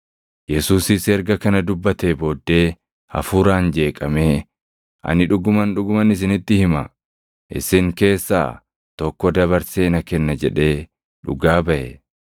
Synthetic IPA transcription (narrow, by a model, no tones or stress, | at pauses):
jɛsuːsɪsɛɾɡɐkɐnɐd̪ʊbːɐt̪ebo̞ːd̪ːe̞ː | ɐ̰fuːɾaːnd͡ʒe̞ːkʼɐmeː | ʔɐ̰nɪᶑʊɡʊmɐnᶑʊɡʊmɐnɪs̬ɪnɪt̪ːɪhɪmɐ̰ | ʔɪ̰sɪŋke̞ːsːa̰ː | t̪ɔkːɔd̪ɐβɐɾseːnɐkɛnːɐd͡ʒɛᶑe̞ː | ᶑʊ̰ɡaːbɐʔɛ